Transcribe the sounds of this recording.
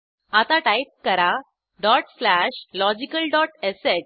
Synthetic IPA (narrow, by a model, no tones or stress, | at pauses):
at̪aʈaip̚kəɾa | ɖɔʈslæɕlɔd͡ʑikəlɖɔʈesɛʈ̚